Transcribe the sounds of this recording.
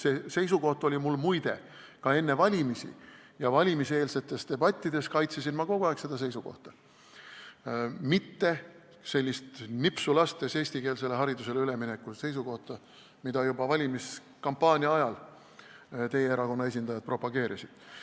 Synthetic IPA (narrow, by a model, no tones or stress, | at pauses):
sese̞js̬uko̞ht̪o̞lʲimulːmujd̪̥e̞ | kɑe̞nːe̞vɑlʲimisḭjɑvɑlʲimise̞ːlse̞t̪ːˑe̞st̪e̞b̥ɑt̪ʲːid̪̥e̞skɑjt̪sesinmɑko̞ɡ̥uɑekse̞d̪̥ɑs̬e̞jsuko̞̰ht̪ɑ̥ | mit̪ːe̞ | se̞lʲːist̪nipsulɑst̪ese̞ːsʲt̪ike̞ːlse̞le̞ɦɑɾid̪use̞lyle̞mine̞kːuse̞js̬uko̞ht̪ɑ | mid̪̥ɑjubɑvɑlʲimis | kɑmpːɑːnʲiɑɑjɑl | t̪e̞jeeɾɑko̞nːɑe̞s̬ʲind̪̥ɑjɑd̪̥̚pro̞pɑɡe̞ːɾisid̪̥